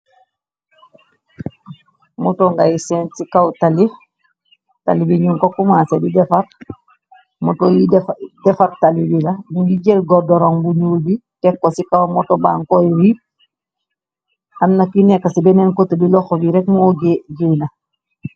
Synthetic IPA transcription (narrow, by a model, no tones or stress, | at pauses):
mɔtoŋɡajisɛnsikawtali | ta̰libiɲuŋkokumasedidɛfaɾ | mɔtojidɛfaɾtalibilanuŋɡiɟelɡɔdɔɾoŋbuɲuːlbitɛkːosikawmɔtɔba̰ŋkojwi | amnakinɛkːasibɛnɛnkotubilɔxobiɾɛkmɔoɡeɟina